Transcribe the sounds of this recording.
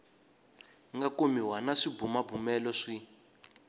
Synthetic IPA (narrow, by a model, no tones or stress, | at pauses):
ŋɡakomiwanaʂibumabumɛlɔʂi